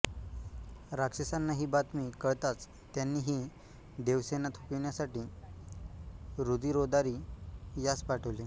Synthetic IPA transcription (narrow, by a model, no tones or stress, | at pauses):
ɾakʂesanːaɦiːbat̪miːkəɭt̪at͡s | t̪ːjanːiːɦiː | d̪eʋsenat̪ʰopiʋɳjasaʈiː | ɾud̪iːɾod̪aɾiːjat͡spaʈʰəʋle